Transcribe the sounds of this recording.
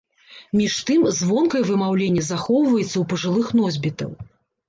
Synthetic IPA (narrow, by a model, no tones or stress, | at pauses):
mʲiʂt̪ɨmzvɔnkɐjɛvɨmawlʲenʲːɐzaxɔwvɐjɛt̪sːɐwpɐʐɨlˠɨxnɔzʲbʲit̪ɐ̰w